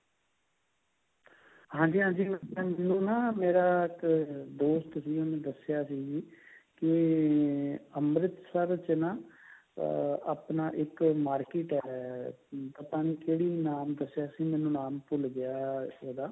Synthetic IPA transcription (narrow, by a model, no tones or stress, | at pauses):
ɦãːd͡ʒiːɦãːd͡ʒiːmɛːnũːnaːmeːɾaːɪkd̪oːst̪siːʊnẽːd̪əsjaːsiːɡikɪ | əmɾɪt̪səɾt͡ʃnaː | aːpnaːʔɪkmaːɾkeːʈɛː | t̪əp̪ãːniːkeːɽiːnaːmd̪əsːjaːsiːmɛːnũːnaːmpʊlɡɪjaːoːd̪aː